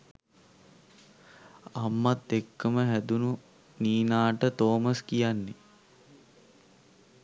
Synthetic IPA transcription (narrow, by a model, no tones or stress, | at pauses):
amːat̪ːekːəməɦæd̪unu | niːnaːʈət̪oːmaskijanːe